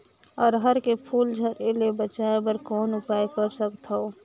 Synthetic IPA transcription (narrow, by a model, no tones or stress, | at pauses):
ɔːɾɦəɾkepʰuːld͡ʒʱəɾelebət͡ʃaebəɾkɔːnʊpajkəɾsəkt̪ɦo